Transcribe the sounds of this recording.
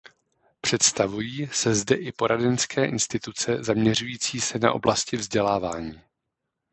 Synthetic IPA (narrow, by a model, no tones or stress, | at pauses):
pr̝̥ɛt̪st̪avujiːsɛzdɛʔɪpo̞ɾʔadɛnskʰɛːʔɪnst̪ɪt̪ut͡sɛzamɲɛr̝ujiːt͡siːsɛna̰ʔo̞̰blascɪvzɟɛlaːvaːɲiː